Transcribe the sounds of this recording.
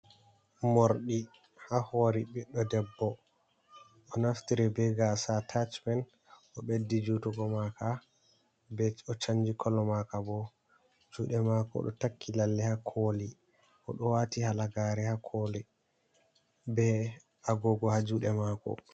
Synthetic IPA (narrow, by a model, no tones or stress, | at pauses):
moɾɗi | hahoːɾibiɗːɔdɛbːɔ | ʔɔnaftiɾɛbɛɡasatʰat͡ʃmɛn | ʔɔɓedːid͡ʒutɔɡɔmaka | bɛt͡ʃɔt͡ʃaɲd͡ʒikʰɔlɔmakabɔ | d͡ʒuːɗɛmakɔ̰ɗɔ̰takʰːilalːɛhakʰoːli | ʔɔ̰ɗɔwatihalaɡaɾɛhakʰoːlɛ | bɛ | aɡɔɡɔhad͡ʒuːɗɛmakɔ̰